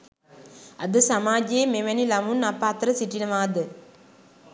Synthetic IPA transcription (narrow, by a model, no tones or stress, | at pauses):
ad̪əsamaːd͡ʒeemeʋænilamunapat̪əɾəsiʈinəʋaːd̪ə